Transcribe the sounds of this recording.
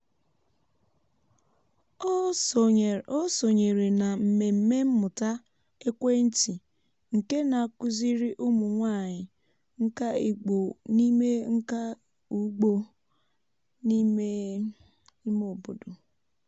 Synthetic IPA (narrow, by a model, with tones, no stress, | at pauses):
o˦so˨ɲe˨ɾe˨na˨m̩˨me˨m̩˨me˦m̩˦mʊ˨ta˦ | e˦kʷe˦n̩˦ti˨ | ŋ̩˨ke˦na˨a˨kʊ˦zi˦ɾi˦ʔʊ˦mʊ˨ŋʷa˦˨ɲɪ˨ | ŋ̩˦ka˦i˨ɡ͡bo˨ni˦me˦ŋ̩˦ka˦ | u˦ɡ͡bo˦ | ni˦me˦ | i˦mo˨bo˨do˨